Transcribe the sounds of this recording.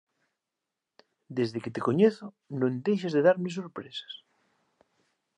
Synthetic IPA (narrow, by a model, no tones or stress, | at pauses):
d̪ezðeket̪ekoɲeθo | nõnd̪ejʃazðeðaɾmes̬oɾpɾesḁs